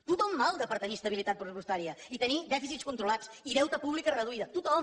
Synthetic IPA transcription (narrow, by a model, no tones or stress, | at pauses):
t̪ut̪ɔmːalˠd̪əpəɾt̪ənist̪əβilit̪at̪̚pɾsupust̪aɾiəit̪ənid̪ɛfisit̪skunt̪ɾulat͡siðɛwt̪əpuβlikərəðuiðət̪ut̪ɔ